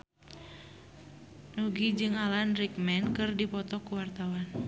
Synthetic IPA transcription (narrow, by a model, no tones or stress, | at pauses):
nuɡid͡ʒɨŋalanɾik̚mɛnkɨrdipɔt̪ɔkuwart̪awan